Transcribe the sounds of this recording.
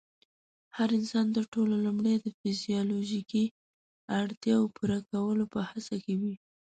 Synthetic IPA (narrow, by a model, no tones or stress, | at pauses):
haɾɪnsɑnd̪əʈololumɽejd̪əfɪzijɑloʒiki | aɽt̪jɑopuɾakawəlopəhasakewi